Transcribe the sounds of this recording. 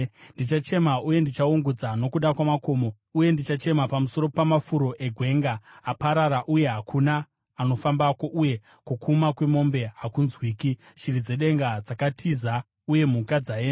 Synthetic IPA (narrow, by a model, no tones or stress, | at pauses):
ndit͡ʃat͡ʃe̞mauje̞ndit͡ʃauŋɡud͡zano̞kuɗakwamako̞ːmo | uje̞ndit͡ʃat͡ʃe̞mapamuso̞ɾo̞pamafuɾo̞ʔe̞ɡʱwe̞ŋɡaːpaɾaɾaʔuje̞ɦakʰunaː | no̞fambako̞ʔuje̞ | kukʰumakwe̞mo̞mbe̞ɦakunzwiːki | ʃirid͡ze̞ɗe̞ŋɡad͡zakatʰiza | uje̞mukad͡zaeːna